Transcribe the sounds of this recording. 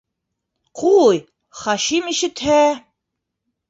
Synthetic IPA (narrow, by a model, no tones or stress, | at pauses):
qʰuj | χɑʃimiʃɘ̆t̪hæ